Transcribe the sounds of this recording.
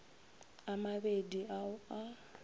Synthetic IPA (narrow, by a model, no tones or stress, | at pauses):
amaβediaa